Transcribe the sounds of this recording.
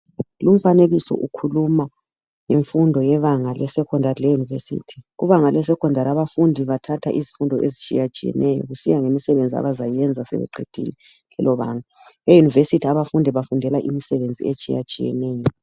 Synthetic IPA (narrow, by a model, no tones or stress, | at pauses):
lum̩faneɣisɔ̰ʔukʰuluma | ŋeɱfundʱɔjɛβaŋalɛsɛkʰɔndʱarilɛjunivesḭːtʰi̥ɣuβaŋalɛsɛkʰɔndʱaɾaβafundʱiβatʰatʰa̰ʔizifundʱɔʔezit͡ʃʼijat͡ʃʼijɛ̰nʔɛjɔ̰ɣusijaŋemisɛβend͡zʱia̰βazajɛnd͡zʱasɛ̰βɛ̰ǃʱḛd̥ʱḭlɛ | lɛ̰lɔβaːŋa | βejunivesitʰiaβafundʱɛβafundʱɛlaʔimisɛβend͡zʱḭet͡ʃʼija̰t͡ʃʼijɛ̰nɛːjɔ